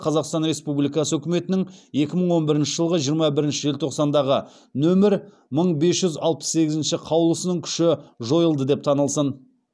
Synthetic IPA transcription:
qʰɑzɑqst̪ɑnɾe̞spublijkɑsəɵkʲɪme̞t̪ɪnɪŋje̞kʲɪməɴwo̞nbɪɾɪnʃɪʒəlˠəʁəʒijəɾmɑbɪɾɪnʃɪʒe̞lʲt̪ʰo̞qsɑnd̪ɑʁə | nɵmɪɾ | məɴbe̞sʒ̥ʏzɑlˠpə̥sːe̞ɡʲɪzɪnʃɪqʰɑwlˠəsənəɴkʲʰʏ̥ʃɪʒo̞jəlˠd̪əd̪e̞p̚t̪ʰɑnəlˠsən

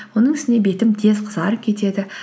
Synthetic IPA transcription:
wo̞nəɴɪst̪ɪnebe̞t̪ɪmt̪ʰe̞zqʰəzɑɾəkʲʰe̞t̪e̞d̪ɪ

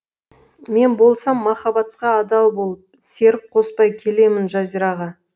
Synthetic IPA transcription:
me̞nbo̞lˠsɑmːɑχɑbɑt̪̚qɑːd̪ɑlˠbo̞lˠəp̚ | se̞ɾɪp̚qʰo̞spɑjkʲʰe̞le̞mɪnʒɑzijɾɑʁɑ

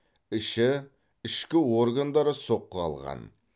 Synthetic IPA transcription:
ɪʃɪ | ɪʃkʲɪwo̞rɡand̪ɑɾəso̞qːəɑ̰lˠʁɑ̰n

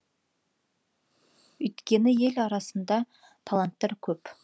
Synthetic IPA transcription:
ɵjt̪kʲe̞nɪje̞lɑɾɑsənd̪ɑ | t̪ʰalˠant̪ːɑɾkʲʰɵp

